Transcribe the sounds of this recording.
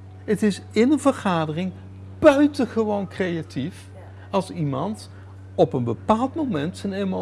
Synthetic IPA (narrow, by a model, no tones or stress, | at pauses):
ətɪsɪnənvəɹχaːdərɪŋ | b̥œɥtənχəʋownkrejatif | ɑlˠsimɑnt | ɔpənbəpaːlˠtmowmɛntsənemo